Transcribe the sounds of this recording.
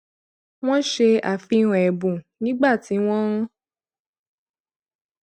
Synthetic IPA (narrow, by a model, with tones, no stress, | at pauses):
w̃ɔ̃˦ʃe˧a̰˨fi˧ũ˨ɛ˨bũ˨nĩ˦ɡ͡ba˦˨ti˨˦w̃ɔ̃˦ũ˦